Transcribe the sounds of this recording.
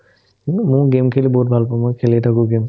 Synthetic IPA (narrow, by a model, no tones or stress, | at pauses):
mũɡemkʰelibɔɦut̚bʱalpɔmɔkʰelitʰakʊɡem